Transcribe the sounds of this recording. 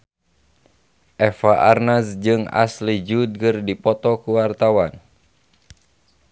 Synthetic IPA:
ʔɛfaʔarnasd͡ʒɨŋa̰slid͡ʒud̪̚kɨrdipɔt̪ɔkuwart̪awan

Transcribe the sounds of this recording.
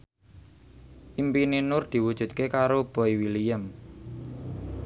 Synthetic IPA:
ʔimpininʊrd̪̥i̤wud̥ʒ̥ṳd̪̚kekaɾob̥ɔ̤iwilijəm

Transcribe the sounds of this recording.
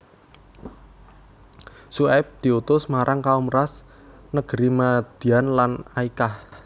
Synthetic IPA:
suɛp̚d̪̥i̤ut̪ʊsmaɾʔaŋkaumras | nəɡ̥əɾimad̪̥i̤anlanaikah

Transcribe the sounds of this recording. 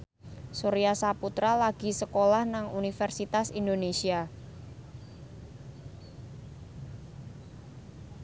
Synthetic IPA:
soɾiasaput̪ɾalaɡ̥i̤səkolahnaŋunifɛrsit̪asindonesia

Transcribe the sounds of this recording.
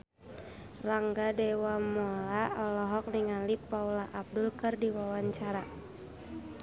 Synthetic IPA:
raŋɡadɛwamɔlaɔlɔɦɔk̚niŋalipːaulaʔab̚dulkɨrdiwawaɲt͡ʃaɾa

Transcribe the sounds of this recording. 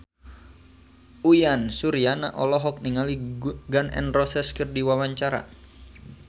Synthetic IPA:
ujansuɾiana̰ʔɔlɔɦɔk̚niŋaliɡanɛ̰nrɔsɛskərdiwawaɲt͡ʃaɾa̰

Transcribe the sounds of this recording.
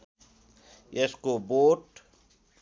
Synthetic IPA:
jeskoboːʈ

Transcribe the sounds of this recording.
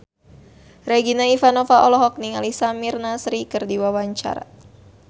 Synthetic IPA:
rɛɡinaifanɔfaʔɔlɔɦɔk̚niŋalisamirnasɾikɨrdiwawaɲt͡ʃa̰ɾa̰

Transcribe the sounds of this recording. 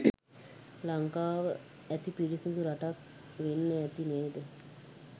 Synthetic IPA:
laŋkaːʋə | æt̪ipiɾisuɡ̪uɾaʈak̚ | ʋenːəɛt̪ineːd̪ə

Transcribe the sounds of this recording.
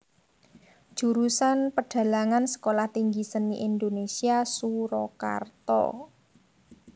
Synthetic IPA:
ʒ̥ṳɾusanpəɖ̥ä̤laŋansə̥kolaht̪iŋɡisəniʔind̪onesiasuɾɔka̰rt̪ɔ̰

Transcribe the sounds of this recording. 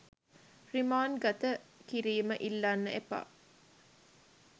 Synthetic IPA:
rimaːnɡat̪əkiɾiːməʔilːanːəʔepa̰

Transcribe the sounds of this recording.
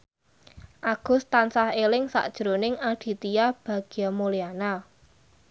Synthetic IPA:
ʔaɡ̥ʊ̤st̪ansahelɪŋsa̰ʔd̥ʒ̥əɾonɪŋaɖ̥i̤t̪ijab̥ä̤ɡ̥iamoliana

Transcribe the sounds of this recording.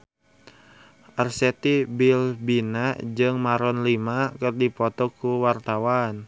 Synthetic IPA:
ʔarsɛt̪ibilbinad͡ʒɨŋmaɾɔnlimakɨrdipɔt̪ɔkuwart̪awan

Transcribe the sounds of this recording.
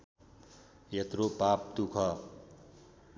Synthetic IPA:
jet̪ropap̚t̪ukʰʌ

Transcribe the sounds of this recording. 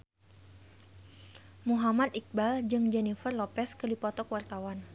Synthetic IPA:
muɦamat̪ik̚bald͡ʒɨŋd͡ʒɛnifərlɔpɛskədipɔt̪ɔkwart̪awan

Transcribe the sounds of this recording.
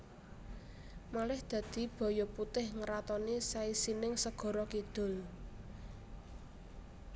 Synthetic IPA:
malɪhd̪̥ä̤d̪̥i̤b̥ɔ̤jɔput̪ɪhŋəɾat̪ɔnisaisinɪŋsəɡ̥ɔ̤ɾɔkid̪̥ʊ̤l

